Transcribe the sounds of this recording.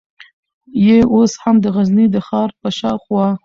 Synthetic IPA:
jeʔoshamd̪əɣaznid̪əxɑɾpəʃɑxwɑ

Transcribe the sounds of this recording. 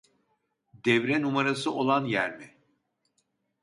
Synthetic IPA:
d̪ɛvɾɛnumaɾasɯʔo̞lˠanjæɾmɪ

